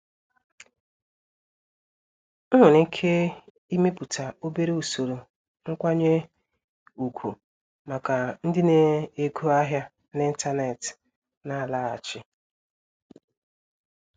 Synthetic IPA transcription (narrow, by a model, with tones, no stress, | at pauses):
ŋ̩˦ɦʊ˨ni˦kʰe˦ | i˦me˦pu˨tʰa˨o˦be˦ɾe˦u˨so˨ɾo˨ | ŋ̩˦kʷa˦ɲe˦ | u˨kʰʷu˨ | ma˨ka˨n̩˦dɪ˦ne˨e˦˨kʰu˦a˦ɦja˦ | ne˦n̩˦ta˦ne˨t | na˨la˦a̰˨t͡ʃɪ˦